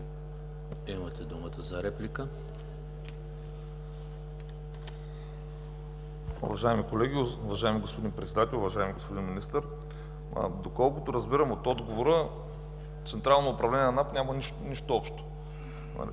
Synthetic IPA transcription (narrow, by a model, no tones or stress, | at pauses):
imət̪ɛd̪umət̪əzɐɾɛplikə | ṵvɐʒaimikolɛɡʲiʊvɐʒaɪmiɡospod̪inpɾɛt̪sɛd̪at̪ɛlʲʊvɐʒaɪmiɡospod̪inminist̪əɾ̰ | d̪okɔlˠkʊt̪oɾɐzbiɾəmot̪ɔd̪ɡovoɾə | t̪sɛnt̪ɾalˠnoːpɾɐvlɛnʲɛnɐnapnʲaməni | niʃt̪oɔpʃt̪o̥̰